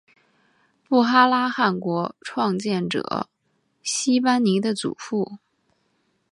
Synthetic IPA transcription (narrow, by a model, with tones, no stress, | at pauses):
pu˥˩xa˥la˥xa˥˩nkwɔ˧˥ʈ͡ʂʰwɑ˥˧ŋt͡ɕjɛ˥˩nʈ͡ʂɤ̰˨˩˦ | ɕi˥pa˥nni˧˥d̪ə˧t͡sṵ˨˩fu˥˩